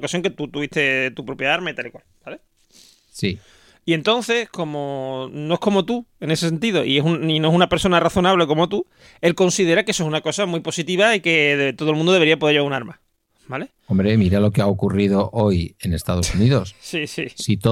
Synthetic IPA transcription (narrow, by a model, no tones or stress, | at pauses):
kasjo̞ŋke̞t̪ut̪uβiht̪et̪upɾo̞pjeaaɾmait̪alikwalb̥ale | si | ie̞nt̪o̞nθe̞sko̞mono̞e̞hko̞mo̞t̪ue̞nes̬es̬e̞nt̪̬iðo̞ʔie̞suninoesunape̞ɾso̞naraθo̞naβ̞le̞ko̞mo̞t̪u | e̞lko̞nsiðe̞ɾakeesosunako̞samwipo̞sit̪iβaike̞t̪oðlmũnd̪oeɾiap̬oeʝounaɾma | bale̞ | ombɾe̞miɾalo̞keaokuriðo̞ʔojene̞st̪að̞o̞suniðo̞ssisisit̪o